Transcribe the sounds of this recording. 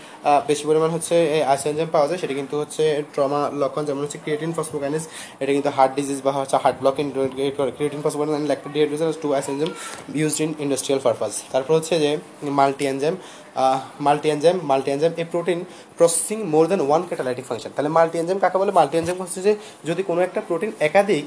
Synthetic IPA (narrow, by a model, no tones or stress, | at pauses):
beʃipoɾimaneɦotːɕʰeajsend͡ʑempawad͡ʑajʃeʈikint̪uɦotːʰeʈɾɔmalɔkʰːɔnd͡ʑɛmõnɦotːʰekɾieʈiŋpʰɔsmokaniz | eʈakint̪uɦaɾʈ̚ɖizizbaɦoehaɾʈ̚blɔkiŋkɔɾkɾieʈiŋpɔsbɔɛnlɛk̚ɖieʈɾizaɾsʈuajsend͡ʑemjuzɖiniɳɖɐsʈɾialpaɾfast̪aɾpɔɾeɦotːɕʰed͡ʑe | malʈiend͡ʑemː | alʈiend͡ʑemːalʈiend͡ʑemepɾoʈin | pɾɔse̥siŋmoɾd̪ɛnwankɛʈalajʈikfʰaŋʃant̪aɦelemalʈiend͡ʑemkakʰabɔlemalʈiend͡ʑemkoɦoed͡ʑe | d͡ʑod̪ikonoɛk̚ʈapɾoʈinɛkad̪ʱik